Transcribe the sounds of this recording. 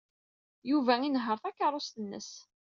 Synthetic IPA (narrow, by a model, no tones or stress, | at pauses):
juvæinɦəɾˤθækːɑɾˤost̪ənːə̰s